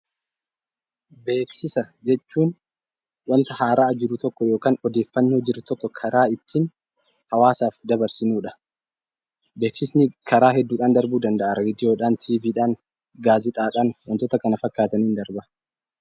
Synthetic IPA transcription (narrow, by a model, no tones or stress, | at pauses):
be̞ːksɪsɐd͡ʒɛt͡ʃːuːn | wɐnt̪ɐhaːɾaːd͡ʒɪɾʊt̪ɔkːɔjo̞ːkaːnɔd̪e̞ːfːɐnːoːd͡ʒɪɾʊt̪ɔkːɔkʰɐɾaːɪt̪ːɪn | hɐwaːsaːfd̪ɐbɐɾsɪnuːᶑɐ̥ | be̞ːksɪsnɪkɐɾaːɦɛd̪ːuːᶑaːnd̪ɐɾbuːd̪ɐnd̪ɐʔaɾeːd̪ɪjo̞ːᶑaːnt̪ʰiːviːᶑaːn | ɡaːzɪt̪ʼaːᶑaːnwɔnt̪ɔt̪ɐkɐnɐfɐkːaːt̪ɐniːnd̪ɐɾbɐ